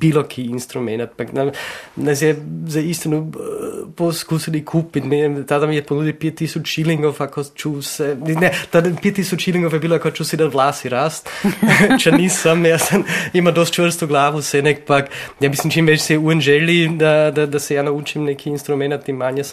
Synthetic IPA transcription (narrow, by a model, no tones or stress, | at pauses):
b̥ilokʰiːnst̪ɾumɛnat̪paknanɛs̬jɛzaist̪inu | poskuːsilikʰuːpit̪niɛmt̪ad̪amiɛponuːd̪ipjɛt̪ːisut͡ʃiliŋɡofakot͡ʃuːsɛnnɛt̪ad̪pjet̪ːisut͡ʃiliŋɡofjɛbiːloakojt͡ʃuːsid̪at̪ʋlaːsiɾast̪ | t͡ʃɛnisamjasamimad̪ost̪t͡ʃʋərst̪uɡlaːʋusɛnɛkpakjaːmislimt͡ʃimʋɛt͡ʃsɛɛuɛnʒɛlid̪ad̪ad̪asɛjaːnauːt͡ʃimnɛkʰiːnst̪ɾumɛnat̪ːimːanjas